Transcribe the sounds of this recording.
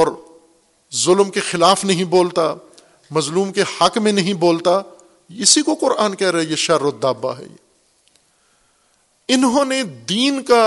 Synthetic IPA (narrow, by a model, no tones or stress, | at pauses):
ɔːɾ | zʊlmkexɪlaːfnɐɦĩboːlt̪a | mɐzluːmkehɐkmẽnɐɦĩboːlt̪a | ɪsikoqʊɾʔaːnkɛɦɾɐɦieʃɐɾod̪aːbːa̰ɦɛ̰ | ɪnɦõːned̪iːnka